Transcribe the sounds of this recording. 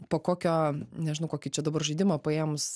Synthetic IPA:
poːkoːkʲoːnʲɛʒʲɪnɐʊkoːkʲit͡ʃʲɛd̪ɐbɐrʒɐɪd̪ʲɪmɐpɐeːmʊs

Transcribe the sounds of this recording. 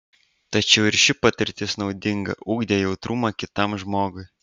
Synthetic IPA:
t̪ɐt͡ʃʲɛʊɪɾʃʲɪpɐt̪ʲɪɾʲt̪ʲɪsnɒʊd̪ʲɪŋɡɐ̰ʔuːɡd̪ʲeːjɛʊt̪ɾumɐkʲɪt̪ɐmʒmoːɡʊɪ

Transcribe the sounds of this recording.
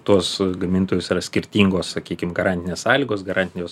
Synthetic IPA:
t̪uɔsɡɐmʲɪnt̪oːjosiːɾɐsʲkʲɪɾʲt̪ʲiːŋɡoːssɐkʲiːkʲɪmɡɐɾɑnʲt̪ʲɪnʲeːssɑːlʲiːɡoːsɡɐɾʔɑːnt̪ʲɪnʲjoːs

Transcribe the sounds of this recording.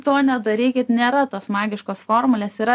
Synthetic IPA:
t̪oːnʲɛd̪ɐɾʲiːkʲɪt̪nʲeːɾɐt̪oːsmɑːɡʲɪʃkoːsfoːrmʊlʲeːsiɾɐ

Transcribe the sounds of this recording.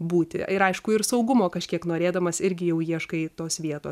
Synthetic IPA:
buːt̪ʲɪ̰ɪɾɐɪʃkʊɪrsɒʊɡʊmoːkɐʃʲkʲiɛknoːɾʲeːd̪ɐmɐsɪɾʲɡʲɪjɛʊjiɛʃkɐɪt̪oːsʋʲiɛt̪oːs

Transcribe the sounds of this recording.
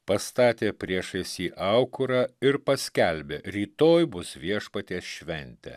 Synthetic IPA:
pɐst̪ɑːt̪ʲeːpʲɾʲiɛʃɐɪsʲiːʔɐʊkʊɾɑːɪɾpɐsʲkʲɛlʲbʲeɾʲiːt̪oːjbʊsʋʲiɛʃpɐt̪ʲeːsʃʲʋʲɛnʲt̪ʲɛ̰

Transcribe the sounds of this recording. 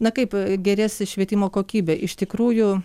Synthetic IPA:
nɐkɐɪpɡʲɛɾʲæːsʲɪʃʲʋʲiɛt̪ʲɪmoːkoːkʲiːbʲɛʔɪʃt̪ʲɪkɾuːjʊ

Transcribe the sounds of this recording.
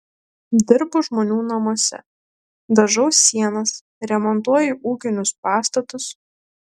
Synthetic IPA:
d̪ʲɪɾbʊʒmoːnʲuːnɐmuɔsʲɛ̰ | d̪ɐʒɐʊsʲːiɛnɐs | ɾʲɛmɔnt̪uɔjɪʔuːkʲɪnʲʊspɑːst̪ɐt̪ʊs

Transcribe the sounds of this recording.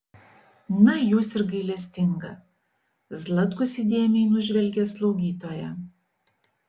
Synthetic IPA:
nɐjuːsɪɾɡɐɪlʲɛsʲt̪ʲɪŋɡɐ | zlˠɐt̪kʊsʲid̪ʲeːmʲɛɪnʊʒʲʋʲɛlʲɡʲɛslˠɒʊɡʲiːt̪oːjɛ

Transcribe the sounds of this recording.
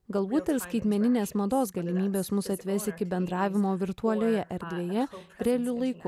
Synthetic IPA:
ɡɐlˠbuːt̪ʲɪɾskɐɪt̪ʲmʲɛnʲɪnʲeːsmɐd̪oːs̬ɡɐlʲɪmʲiːbʲeːsmʊsɐt̪ʲʋʲɛsʲɪkʲɪbʲɛnd̪ɾɑːʋʲɪmoːʋʲɪɾt̪uɔlʲoːjɛʔɛɾʲd̪ʲʋʲeːjɛɾʲɛɛlʲʊlˠɐɪkʊ

